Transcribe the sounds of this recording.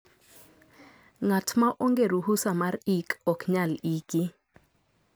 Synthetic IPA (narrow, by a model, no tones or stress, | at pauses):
ŋatʰmaʔoŋɡeɾuhusamarikɔkɲaliki